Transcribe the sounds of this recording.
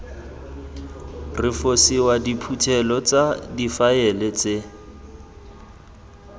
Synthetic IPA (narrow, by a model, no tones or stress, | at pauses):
rɪfosiwadipʰutʰɛlɔt͡sʼadifaɛlet͡se